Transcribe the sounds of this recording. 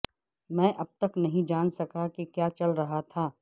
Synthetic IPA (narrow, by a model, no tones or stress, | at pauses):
mɛ̃ːʔɐb̚t̪ɐknɐɦĩd͡ʒaːnsɐkakekjaːt͡ʃɐlɾɐɦat̪ʰaː